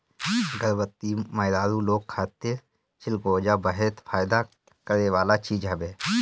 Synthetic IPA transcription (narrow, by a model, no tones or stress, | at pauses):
ɡəɾʋət̪ːimaːɪd̪aːɾũloːɡ̚kʰaːt̪e | t͡ʃɪlɡoːd͡ʒabəɦɛt̪fʰaːjd̪a | kəɾeʋaːlat͡ʃiːd͡ʒɦəbeː